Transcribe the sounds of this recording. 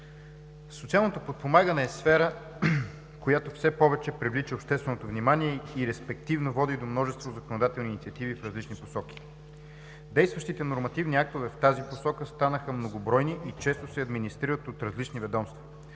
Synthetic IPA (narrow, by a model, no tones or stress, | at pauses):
so̥t̪sialˠnot̪opot̪̚pomaɡənɛːsfɛɾə | kojat̪ofsɛpɔvɛt͡ʃɛpɾivlit͡ʃiopʃt̪ɛst̪vɛnot̪ovnimaniɛiɾɛspɛk̚t̪ivnovɔd̪id̪omnɔʒɛst̪vozəkonod̪at̪ɛlˠniːnit̪iət̪ivifɾɐzlit͡ʃniposɔk̟i̥ | d̪ɛjst̪vəʃt̪it̪ɛnoɾmɐt̪ivniak̚t̪ovɛft̪aziposɔkəst̪anəxəmnoɡobɾɔjniʔit͡ʃɛst̪osɛɐd̪minist̪ɾiɾət̪ot̪ɾɐzlit͡ʃnivɛd̪ɔmst̪vɐ̥